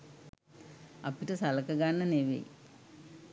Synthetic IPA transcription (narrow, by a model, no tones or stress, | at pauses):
ɐpiʈəsɐlɐkɐɡanːəneʋḛj̰